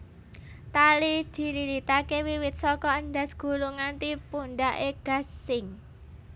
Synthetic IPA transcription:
t̪alid̪̥i̤ɾiɾit̪akewiwɪt̪̚sɔkɔənd̪a̤sɡ̥ṳluŋant̪ipuɳɖaʔeɡ̥a̤sɪŋ

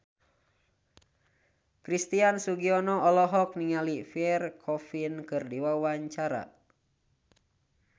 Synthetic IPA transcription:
kɾist̪iansuɡiɔnɔɔlɔɦɔk̚niŋalifiɛrkʰɔfinkɨrdiwawaɲt͡ʃaɾa̰

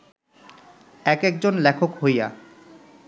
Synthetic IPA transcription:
ɛkek̚d͡ʑonlɛkʰokɦoja̰

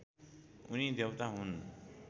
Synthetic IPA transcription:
unid̪ewt̪aɦun

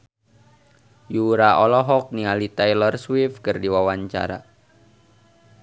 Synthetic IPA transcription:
juɾaɔlɔɦɔk̚nialit̪ɛjlərswifkɨrdiwawaɲt͡ʃa̰ɾa̰

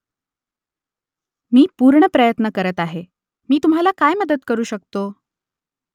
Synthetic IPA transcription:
miːpuɾɳəpɾəjət̪nəkəɾət̪aɦe | miːt̪umɦalakajməd̪ət̪kəɾuːɕək̚t̪o

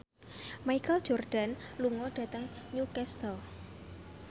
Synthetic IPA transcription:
majkəl̥d͡ʒ̥ɔrd̥a̤nluŋɔɖ̥a̤t̪əŋɲukɛst̪əl

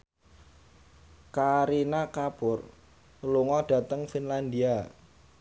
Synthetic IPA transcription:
kaɾinakab̥ʊr | luŋɔɖ̥ä̤t̪əŋfinland̪ia

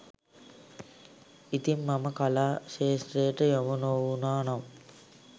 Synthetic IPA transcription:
it̪imːaməkalaːʃeːsʈɾejəʈəjomunowunaːnam

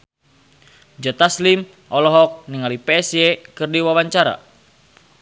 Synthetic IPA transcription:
d͡ʒɔt̪aslim | ɔlɔɦɔk̚niŋalipɛːsiɛkɨrdiwawaɲt͡ʃaɾa̰

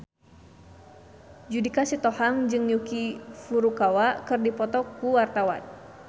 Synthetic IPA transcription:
d͡ʒudikasit̪ɔhaŋd͡ʒɨŋjukifuɾukawakɨrdipɔt̪ɔkuwart̪awa̰n

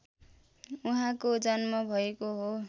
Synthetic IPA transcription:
uɦãkod͡zʌnmʌbʱʌekoɦo

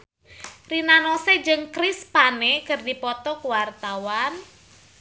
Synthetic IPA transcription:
rinanosed͡ʒɨŋkɾispanekɨrdipɔt̪ɔkuwart̪awan

